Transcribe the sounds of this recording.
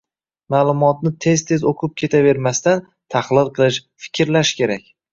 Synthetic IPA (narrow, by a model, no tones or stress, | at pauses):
maːlˠʊmɒt̪̚nɪt̪ʰe̞zt̪ʰezoqʰɨp̚kʲʰe̞t̪ʰave̞ɾmast̪an | t̪ʰaχlˠɨlˠqʰɨlˠɪʃfɪ̥kʲʰɪɾlaʃkʲʰe̞ɾakʲ